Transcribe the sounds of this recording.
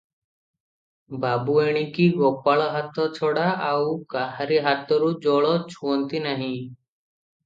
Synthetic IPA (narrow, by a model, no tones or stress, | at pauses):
babueɽ̃ikiɡɔpaɭɔɦat̪ɔt͡ʃʰɔɽaawkaɦaɾiɦat̪ɔɾud͡ʒɔɭɔt͡ʃʰuɔnt̪inaɦĩ